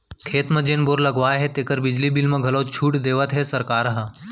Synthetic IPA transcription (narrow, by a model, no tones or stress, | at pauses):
kʰeːt̪mɐ̃d͡ʒeːnboːɾlɐɡʋaːɦet̪eːkəɾbɪd͡ʒlibilmə̃ɡʱɐloːt͡ʃʰuːʈd̪eːʋət̪ɦesɐɾkaːɾɐɦə̃